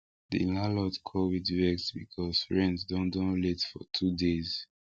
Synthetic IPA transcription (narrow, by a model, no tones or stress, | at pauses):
dḭnalɔtkʰɔlwidwɛksbikʰɔsfɹɛ̃nsdõndɔ̃nletfɔtʰudez̥